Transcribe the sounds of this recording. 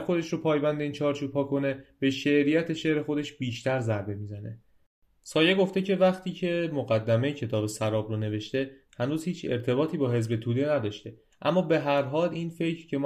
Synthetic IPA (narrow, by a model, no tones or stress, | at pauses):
xo̞d̪e̞ʃɾopʰɒːjbænd̪e̞iːnt͡ʃʰɒːɾt͡ʃʰuːb̥̚hɒːkʰo̞ne̞b̥e̞ʃeʔɾijæt̪ʰe̞ʃe̞ʔɾe̞xo̞d̪e̞ʃbiːʃt̪æɾzæɾbe̞miːzæne̞̰ | sɒːjeɡo̞ft̪e̞ce̞væχt̪ʰiːcʰe̞moɣæd̪ːæme̞jecʰe̞t̪ʰɒːbe̞sæɾɒːbɾone̞ve̞ʃt̪e̞ | hænuːzhiːt͡ʃʰe̞̰ɾt̪ʰe̞bɒːt̪ʰiːbɒːɦe̞zbe̞t̪ʰuːd̪e̞næd̪ɒːʃt̪e̞ | ʔæ̰mːɒːbe̞ɦæɾɦɒːliːnfe̞cɾcʰe̞m